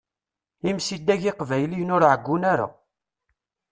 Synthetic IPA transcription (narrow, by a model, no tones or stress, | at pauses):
imsid̪ːæʝɪqvæjlijnʊɾʕəɡʷːunaɾa̰